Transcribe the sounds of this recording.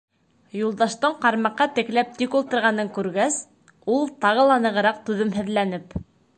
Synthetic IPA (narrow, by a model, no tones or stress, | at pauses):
julˠd̪ɑʃt̪ɤɴqɑɾmɑqːɑt̪ɘ̆klæp̚t̪ikulˠt̪ɤ̆ɾʁɑnɤŋkʉɾɡæs | ulˠt̪ɑʁɤlˠɑnɤ̆ʁɤ̆ɾɑq̚t̪ʉðɘmɦɘ̆ðlænɘp